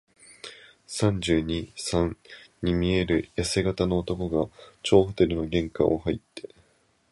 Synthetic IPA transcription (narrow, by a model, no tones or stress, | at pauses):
sãɲ̟d͡ʑɨːɲ̟isãŋɲimʲie̞ɾɯ̟jase̞ɡat̪ano̞ːt̪o̞ko̞ɡat͡ɕo̞ːɸɯ̥t̪e̞ɾɯ̟noɡẽ̞ŋkã̰ʔohait̪ʰːe̞